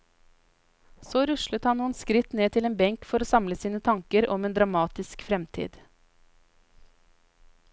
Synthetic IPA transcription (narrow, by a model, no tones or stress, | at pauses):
soːɾʉʃlət̪hɑnnuːənskɾɪt̪neːt̪ʰɪleːnbɛŋkfɔɾoːsɑmləsiːnət̪ʰɑŋkəɾʔɔmeːnd̪ɾɑmɑːt̪ɪskfɾɛmt̪ʰḭːd̪